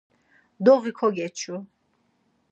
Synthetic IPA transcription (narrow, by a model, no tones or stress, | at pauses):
d̪ɔʁikʰɔɡɛt͡ʃʰu